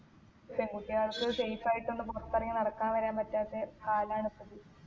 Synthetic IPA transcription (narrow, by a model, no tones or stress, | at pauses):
pe̞ŋɡuʈːiaːrt̪ːoɕejfaːjiʈːunːɨport̪ːɐrɐɲːɐnɐɽɐkːaːnʋɐɾaːmpɐtːaːtːepʰaːlaːɳupːɐði